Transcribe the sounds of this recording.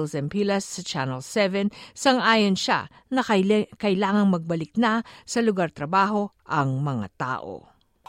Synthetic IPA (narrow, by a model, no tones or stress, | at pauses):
lsɛnpilɐsːɐt͡ʃanɛlsɛvɛnsɐŋʔaːjonʃa̰ | nɐkɐjlaːŋɐŋmɐɡ̚bɐlɪk̚nasɐlʊɡaɾt̪ɾɐbaːɦo̞ʔɐŋmɐŋa̰t̪a̰ːʔo̰